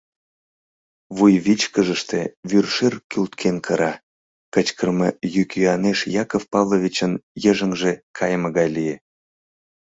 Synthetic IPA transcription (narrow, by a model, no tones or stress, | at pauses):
βujβit͡ɕkəʒəʃt̪ḛβyrʃerkylt̪kʰenkʰəɾɑ | kət͡ɕkərməjykjyɑneʃjɑkofpɑvloβʲit͡ɕənjəʒəŋʒekʰɑjəməɣɑjlije